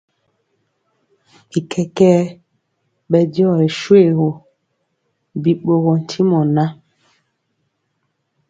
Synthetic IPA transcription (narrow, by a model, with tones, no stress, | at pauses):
i˨kʰɛ˨kɛː˦ | ɓɛ˨djɔ˦˨e˨ʃwe˦˨ɣo˨ | bi˨ɓo˦ɣo˨n̩˨tʰi˦mɔ˨na˦